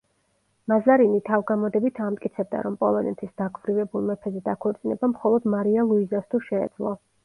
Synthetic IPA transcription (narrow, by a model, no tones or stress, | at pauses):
mazaɾinit̪ʰavɡamɔd̪ɛbit̪ʰamt̪ʼkʼit̪sʰɛb̚d̪a̰ɾɔmpʼɔlˠɔnɛt̪ʰisd̪̥akʰvɾivɛbulˠmɛpʰɛzɛd̪akʰɔɾt̪sʼinɛbamχɔlˠɔd̪maɾialˠuizast̪ʰuʃɛ̰ːd̪z̥lˠɔ̰